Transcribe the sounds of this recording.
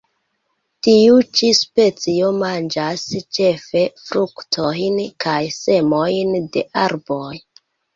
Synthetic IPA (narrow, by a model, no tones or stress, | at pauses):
tiut͡ʃispe̞t͡sio̞mand͡ʒast͡ʃe̞fe̞fɾuktʰo̞jnkʰajse̞mo̞jnde̞ʔaɾbo̞j